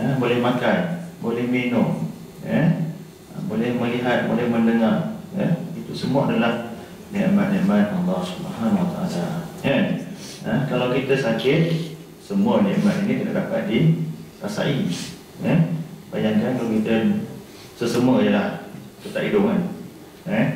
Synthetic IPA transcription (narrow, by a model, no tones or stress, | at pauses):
əbolɛhmakanbolɛhminʊŋ | jə | əbolɛhməliɦat̪̚bolɛhməndəŋarjəit̪usəmaʔadəlah | nɛʔmat̪̚nɛʔmat̪̚alːɑhsubəɦanwat̪a̰ʔa̰lajən | əkalawkit̪əsakɪt̪̚ | səmuənɛʔmat̪̚inik̪it̪a̰ʔdapat̪̚dirasa̰ʔi | jənbajaŋkankalawkit̪ə | səsəmuəjəlah | sət̪aʔidoʔŋan | ə